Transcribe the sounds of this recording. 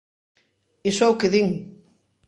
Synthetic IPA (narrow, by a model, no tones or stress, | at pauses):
esɛwkeðiŋ